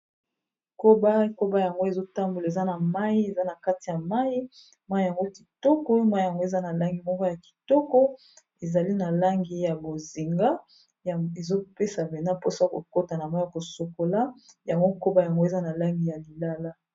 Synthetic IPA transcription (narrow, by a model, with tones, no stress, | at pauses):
ko˦ba˦ko˦ba˦ja˨ŋɡo˦e˨zo˦ta˦mbu˨la˨e˨za˦na˨ma˦i˦e˨za˦na˨ka˦ti˨ja˨ma˦i˦ | mwa˦i˦ja˨ŋɡo˦ki̥˨tɔ˦kɔ˦ma˦i˦˨ja˨ŋɡo˦e˨za˦na˨la˦ŋɡi˨mɔ˦kɔ˦ja˨ki̥˨tɔ˦kɔ˦ | e˨za˨li˦na˨la˦ŋɡi˦ja˨bo˨zi˨ŋɡa˦ | je˨zo˦pe˦sa˨be˨na˦po˦sa˦ko̰˨ko˦ta˨na˨ma˦a˨ko˨so˨ko˨la˦ja˨ŋɡo˦ko˦ba˦ja˨ŋɡo˦e˨za˦na˨la˦ŋɡi˨ja˨li˨la˦la˦